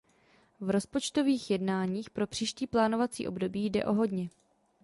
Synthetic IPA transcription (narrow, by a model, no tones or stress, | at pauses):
vɾo̞spo̞t͡ʃt̪o̞viːxjɛdnaːɲiːxpɾo̞pr̝̥iːʃciːplaːnovat͡sḭːʔo̞̰bdo̞biːjdɛ̰ʔo̞ɦo̞dɲɛ